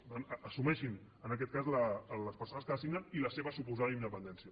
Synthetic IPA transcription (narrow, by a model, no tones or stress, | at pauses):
anəsumɛʃinənək̬ɛt̪̚kazlələspəɾsonəskəəsiɡnəniləseβəsupuzaðəind̪əpənd̪ɛnsiə